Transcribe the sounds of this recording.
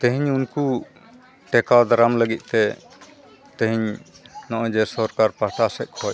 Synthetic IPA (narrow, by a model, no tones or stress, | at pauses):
t̪ẽɦiɲunku | ʈɛkad̪aɾamləɡit̪̚ˀt̪ɛ | t̪eɦiɲ | nɔʔə̃d͡ʒɛsɔɾkaɾpaʈasɛʔ̪̚kʰɔj